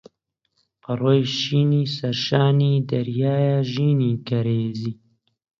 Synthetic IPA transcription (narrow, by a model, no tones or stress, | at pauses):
pɐrojʃiːniːsɐɾʃaːniːd̪ɐɾjaːjaʒiːniːkɐɾeːziː